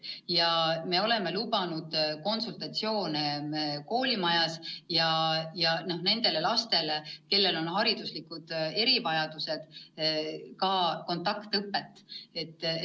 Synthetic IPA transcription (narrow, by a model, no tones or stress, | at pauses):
jɑme̞o̞le̞me̞lub̥ɑnud̪̥ko̞nsult̪ɑt̪sio̞ːneko̞ːlʲimɑjɑsjɑjɑno̞hne̞nd̪̥e̞le̞lɑst̪e̞leke̞lːe̞lo̞nɦɑɾid̪̥uslikˑud̪̥e̞ɾivɑjɑd̪̥use̞d̪̥ | kɑko̞nt̪ːˑɑkt̪ɤpːˑe̞t̪ːˑe̞t̪ːˑ